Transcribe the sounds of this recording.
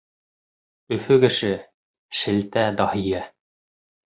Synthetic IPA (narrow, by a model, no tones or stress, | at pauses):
ɵ̆fɵkɘ̆ʃɘ | ʃɘ̆lt̪æd̪ɑhijæ